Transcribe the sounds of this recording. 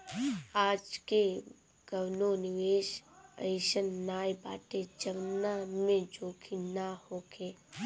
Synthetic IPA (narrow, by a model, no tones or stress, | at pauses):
aːd͡ʒke | ɡ̥əwnonɪʋeːʃə̰̃ɪʃənːaːjba̰ːʈed͡ʒəʋnamẽd͡ʒoːkʰinahoːkʰeː